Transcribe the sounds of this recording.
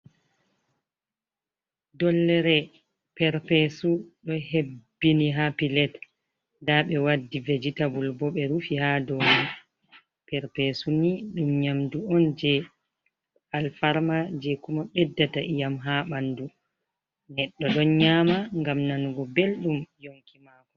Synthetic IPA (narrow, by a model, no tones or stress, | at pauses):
dɔlːɛɾɛ | pɛɾpɛsuɗɔhebbːiniɦapilɛt | daɓɛwadːived͡ʒitabulbɔɓɛɾufihadɔːni | pɛɾpesuniɗumɲamduɔnd͡ʒɛ | alfaɾmad͡ʒekumaɓɛdːataʔijamɦaɓandu | nɛɗːɔɗɔnɲaːmaŋɡamnanuɡɔbelɗumjoŋkimaːkɔ